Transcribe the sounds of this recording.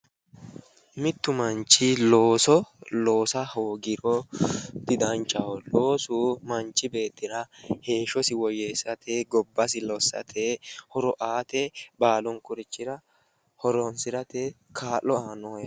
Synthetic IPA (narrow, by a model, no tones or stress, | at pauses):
mɪt̪ːʊmɐnt͡ʃːɪloːsɔlo̞ːsɐhoːɡɪɾɔd̪̥ɪd̪ɐnt͡ʃʼːɐɔloːsuːmɐnt͡ʃːɪbe̞ːt̪ːɪɾɐheːʃɔsɪwɔjɛsɐt̪ʰeɡɔbːɐsɪlɔsːɐ̰t̪ʰehɔɾɔʔaːt̪ɛbaːlɔnkʊɾɪt͡ʃːɪɾɐ | hɔɾɔnsɪɾɐt̪ɛ | kʰaːlːɔaːnɔɔjɐ